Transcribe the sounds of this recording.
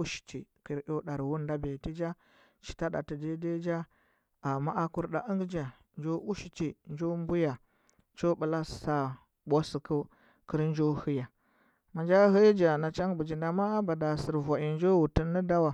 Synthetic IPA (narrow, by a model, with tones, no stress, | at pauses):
u˦ʃi̥˨t͡ʃḭ˨kə˨ɾjo˦ɗa˨ɾwu˦nda˦be˨ti˦d͡ʒa˦ | t͡ʃi̥˨ta˦ɗa˨ti˨de˦de˦d͡ʒa˦ | a˨ma˦ʔa˦ku˦ɾɗa˨ʔə˦ŋɡd͡ʒa˨ | nd͡ʒo˦ʔu˦ʃi˨t͡ʃi˨nd͡ʒo˦mbu˦ja˨ | t͡ʃo˦bu˨la˦sa˦ | ɓʷo˦si˨ku˦ | kə˦ɾnd͡ʒo˦hu˦ja˨ | ma˨nd͡ʒa˦hə˦d͡ʒa˨na˨t͡ʃa˦ŋbu˨d͡ʒi˨nda˨ma˦a˦ba˨da˨si˨ɾva˨ʔi˨nd͡ʒo˦wu˨tə˦nːə˦da˦wa˨